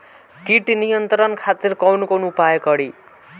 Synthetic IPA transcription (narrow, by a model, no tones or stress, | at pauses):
kiʈnijʌnt̪ʌɾʌnkʰat̪irkʌwnukonupajekʌɽi